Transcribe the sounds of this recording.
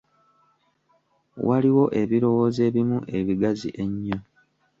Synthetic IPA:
waliwo̞ʔe̞βiɾo̞woze̞ːβimuʔe̞βiɡazḭʔe̞ɲːo

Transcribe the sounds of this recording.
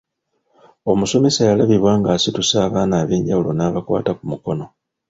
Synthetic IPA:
o̞muso̞me̞sajalaβiβwaːŋɡaːsitusaːβaːnaːβeːɲɟawulo̞naːβakwa̰ːtakumuko̞no̞

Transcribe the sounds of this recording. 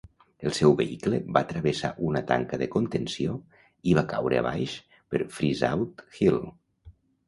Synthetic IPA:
əlˠsɛwβəikləβat̪ɾəβesa̰ʔunət̪a̰ŋkəðəkont̪ənsio | iβ̞akawɾʔə̰a̰βajʃ | pəɾfɾiza̰wt̪xil

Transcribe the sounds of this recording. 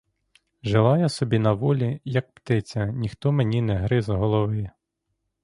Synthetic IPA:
ʒelˠɑjasɔbʲinɐʋɔlʲijɐk̚pt̪ɪt͡sʲɐnʲixt̪ɔmenʲinɛɦɾɪzɦɔlˠɔʋɪ

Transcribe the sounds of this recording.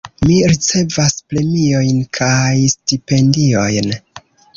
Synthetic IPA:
miɾit͡se̞vaspɾe̞mio̞jnkʰajstipe̞ndio̞jn

